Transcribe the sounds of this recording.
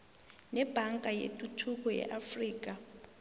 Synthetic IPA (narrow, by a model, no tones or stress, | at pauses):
nɛb̥ʱaŋkʼajḛtʼutʰuk̬ʼɔjɛ̰ʔafriːk̬a